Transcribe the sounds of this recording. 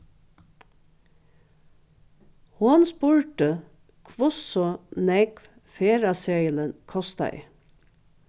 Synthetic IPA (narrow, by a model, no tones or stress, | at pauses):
hʊnspuːɹʈə | kʰʋʊsɔnɛɡʋ | feːɹɑseɪlənkʰɔst̪æ̰ɪ